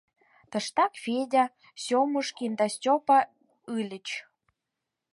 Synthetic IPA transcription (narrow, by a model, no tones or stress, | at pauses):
t̪ə̆ʃt̪ɑkfedʲa | somuʃkind̪ɑstʲopɑ | ɯlʲət͡ɕ